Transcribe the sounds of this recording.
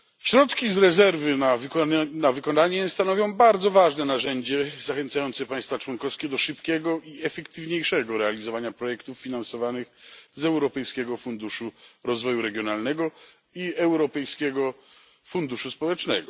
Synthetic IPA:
ɕɾɔt̪kʲizɾɛzɛɾvɘnavnavɘkɔnaɲɛst̪anɔvʲjɔ̃w̃baɾd̪zɔvaʐnɛnaʐɛɲd͡ʑɛzaxɛnt̪sajɔnt̪sɛpaj̃st̪fat͡ʂwɔnkɔfskʲɛd̪ɔʂɘpkʲɛɡɔʔiɛfɛkt̪ɘvɲejʂɛɡɔɾɛalʲizɔvaɲapɾɔjɛkt̪ufːʲinansɔvanɘxzɛwɾɔpɛjskʲɛɡɔfund̪uʂuɾɔzvɔjuɾɛɡʲjɔnalnɛɡɔ | iɛwɾɔpɛjskʲɛɡɔ | fund̪uʂuspɔwɛt͡ʂnɛɡɔ

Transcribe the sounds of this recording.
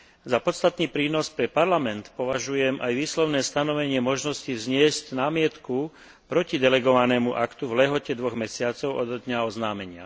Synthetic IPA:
zapɔt̪st̪at̪niːpɾiːnɔspɾɛpaɾlamɛnt̪pɔʋaʒujɛmʔajʋiːslɔʊnɛːst̪anɔʋɛɲɪɛmɔʒnɔscizɲɪɛscnaːmɪɛt̪ku | pɾɔcid̪ɛlɛɡɔʋanɛːmuʔakt̪uvlɛɦɔcɛd̪ʋɔɣmɛsɪat͡sɔʊɔd̪d̪ɲaɔznaːmɛɲɪa̰

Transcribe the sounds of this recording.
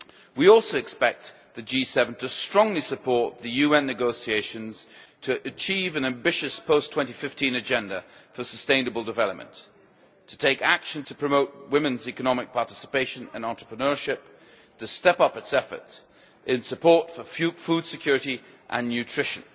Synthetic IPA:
wiɔlˠsoʊɨkspɛk̚t̪̚ | ðɨd͡ʒisɛvn̩tʰɨstɹ̥ɔ̃ŋlisɨpʰɔɹt̪̚ðɨjʉɛ̃nːɨɡoʊsieɪʃɨ̃nz̥tʰɨʔɨt͡ʃʰivɨ̃næ̃mbɪʃɨspʰoʊstʰw̥ɛ̃ntifɪftĩnɨd͡ʒɛ̃ndəfə˞səstẽɪ̃nɨbəl̩ˠdɨvɛlˠəp̚mə̰̃n | tʰətʰeɪkækʃɨ̃ntʰəpʰɹ̥ɨmoʊt̚wɪ̃mɨ̃nzikənɑmɨk̚pʰɑɹtɪ̥sə̥peɪʃɨ̃nɨ̰̃nɑ̃nt͡ʃɹ̥ə̥pɹənɜ˞ʃɪp̚ | tʰɨstɛpʌpɨtsɛfə̰˞t | ʔɪ̃nsɨpʰɔɹtfə˞fud̥sɨkʰj̥ʊɹɨɾi | ʔə̰̃nːjʉtʰɹ̥ɪʃɨ̰̃n

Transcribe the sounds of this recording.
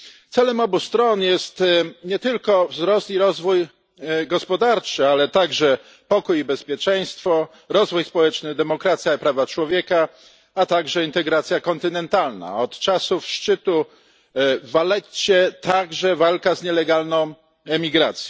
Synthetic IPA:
t̪sɛlɛmɔbust̪ɾɔnjɛst̪ɲɛt̪ɘlkɔvzɾɔst̪iɾɔzvuj | ɡɔspɔd̪aɾt͡ʂɘalɛt̪aɡʐɛ | pɔkujibɛspʲjɛt͡ʂɛj̃st̪fɔ | ɾɔzvujspɔwɛt͡ʂnɘd̪ɛmɔkɾat̪sʲjaipɾavat͡ʂwɔvʲjɛka | at̪aɡʐɛint̪ɛɡɾat̪sʲjakɔnt̪ɘnɛnt̪alna̰ɔt̪t͡ʂasufʂt͡ʂɘt̪u | valɛt͡ɕɛt̪aɡʐɛvalkazɲɛlɛɡalnɔ̃w̃ | ɛmʲiɡɾat̪sʲjɔ

